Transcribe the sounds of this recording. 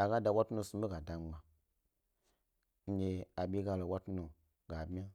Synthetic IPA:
a˨ɡa˦da˨wa˦tu˦no˧sũ˦ɓe˦ɡa˨da˨ŋ͡mɡ͡ba˨ | ŋ̩˦ɡe˧a˨ɓʲe˦ɡa˧lo˨wa˦tu˦no˨ | ɡ̥a˨bi˦a˦

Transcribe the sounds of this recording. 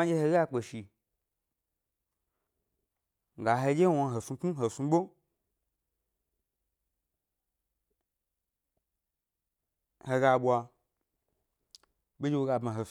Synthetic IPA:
a˦d͡ʒe˧he˧˦ɡa˦˧k͡pe˨ʃi˧ | ŋ˨ɡa˨ɦe˧d͡ʒe˦wo˧ɦo˨fi˧˦k͡pu˦ɦo˨fi˧ɓo˦ | he˧ɡa˧ɓwa˧ | be˦d͡ʒe˧wo˧ɡa˧bma˨ɦo˨

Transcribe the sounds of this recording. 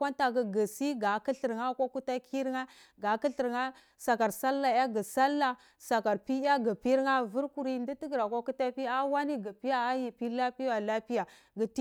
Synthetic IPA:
a˦nta˨ɡa˨ɡə˨si˦ɡa˨ki˦ɬə˨ɾŋa˦kʷa˦ku˦ta˦kʰi˦ɾŋa˦ | ɡa˨˦ki˦ɬi˨ɾŋa˦ | sa˨ka˨ɾsa˦lːa˨ja˦ɡa˨sa˦lːa˨ | sa˨ka˨ɾpi˦ja˦ɡa˨pi˦ɾŋa˦vu˦ɾku˨ɾi˦ndi˦ti˦ɡɾa˨kʷa˦ku˦ta˦pi˦a˦wa˦ni˦ɡa˨pi˦ja˦a˦ji˨pi˦la˦pi˦ja˨la˦pi˦ja˨ | ɡə˨ti˦

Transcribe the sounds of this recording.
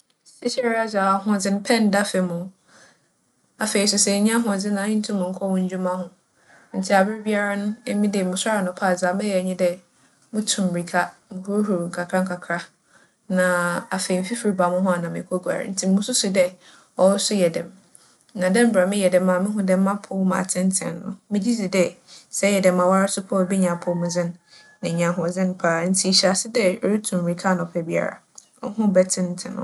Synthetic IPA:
sɪ˦ɕɛ˦ɾa˦za˨a˨ɦʊ̃˦˨d͡zɪ˦ñ˦pʰɛ̃˦˨n˨˦da˦fɪ˨mʊ̃˨ | a˨fe˨i˨s̬ʊ˨sɛ˨ɲĩ˦a˦ɦʊ̃˨d͡zɪ˦nã˨˦ɲɪ˦n̩˦tʰʊ̃˦mʊ̃˨ŋ̩˦kʰɔ˦wʊ̃˦ɲ˦d͡ʑᶣu˦mã˦ɦʊ̃˦ | n̩˨tʰi˦a˨bɪ˦ɾɪ˦bi˦a˦ɾa˦nʊ̃˦e˦mĩ˦de˨mʊ̃˨sa˦ɾa˨nʊ̃˨pʰa˦˨za˨mɛ̃˦jɛ˨ɲĩ˦dɛ˦ | mʊ̃˦tʰʊ̃˨mbɾi˨kʰa˦mʊ̃˨hu˦ɾɦu˨ɾŋ̩˨kʰa˨kʰɾa˦ŋ˦kʰa˨kʰɾa˦ | nã˨a˨fe˨i˨m̩˦fi˦fi˨ɾi˨ba˨mʊ̃˦ɦʊ̃˦a˨nã˨mɪ̰̃˨kʰo˦ɡʷa̰˨ɾɪ̰˨n̩˦tʰi˨m˦mʊ̃˦sʊ˦sʊ˨dɛ˦ | ɔ˦sʊ˦jɛ˨dɛ̃˨m | nã˨dɛ̃˦m̩˦ba˨mɪ̃˦jɛ˨dɛ̃˨mːã˨˦mɪ̃˦ɦʊ̃˦dɛ˦m̩˦mã˦pʰʊ˦mã̰˨tʰɪ̃˦n˦tʰɪ̰̃˨nːʊ̰̃˨mɪ̃˦d͡ʑi˦d͡zi˨dɛ˦sɛ˦jɛ˨dɛ̃˨mã˨wa˦ɾɪ˦sʊ˦pʰʊ˦˨bi˦ɲã˨pʰʊ˦mʊ̃˨zɪ̃˦nː | ɪ̃˨ɲã˨ɦʊ̃˨zɪ̃˦n˦pʰaː˦n̩˦tʰi˦˨ɕa˨sɪ˦dɛ˦ɔ˨ɾi˦tʰũ˨m˨ɾi˨kʰa˦nʊ̃˨pʰɛ˨bi˦a̰˦˨ɾa̰˨ | ɔ˦hʊ̃˦bɛ˦tʰɪ̃˦n˦tʰɪ̃˨nʊ̰̃˦

